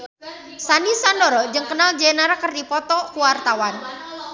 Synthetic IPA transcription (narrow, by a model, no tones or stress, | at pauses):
sanisandɔɾɔd͡ʒɨŋkənald͡ʒenaɾakərdipɔt̪ɔkuwart̪awan